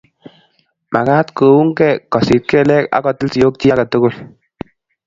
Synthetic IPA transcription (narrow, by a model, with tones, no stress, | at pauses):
ma˨kaː˦tko˨wu˦ŋkɛ˦˨kɔ˨sɪ˨t̚kɛ˦lɛ˦ka̰˦kɔ˨tɪ˦lsi˨jo˦k̚ti˦ja˦ka˨to˦ko˦˨l